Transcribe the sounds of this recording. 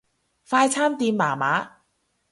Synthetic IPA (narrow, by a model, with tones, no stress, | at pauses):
faː˧jt͡ɕʰaː˥˩mt̪iː˧mːaː˩˦ma˦˥